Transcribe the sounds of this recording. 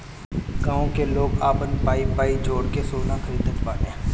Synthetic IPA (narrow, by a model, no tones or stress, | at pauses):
ɡaːõkeloːɡaːpə̃nd̪paːipaːid͡ʒoːɽkesoːnakəɾiːd̪əkbaːʈɦẽː